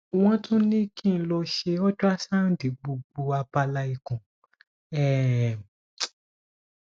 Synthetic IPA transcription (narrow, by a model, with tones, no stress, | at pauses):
w̃ɔ̃˦tʰũ˦nĩ˦ki˦˨n̩˧˦lɔ˧ʃe˧ɔ˦d͡ʒu˦a˦sa˦˨n̩˨˦di˨˦ɡ͡bo˧ɡ͡bo˧a˧pa˧la˧i˨kũ˨ | ɛ˦˨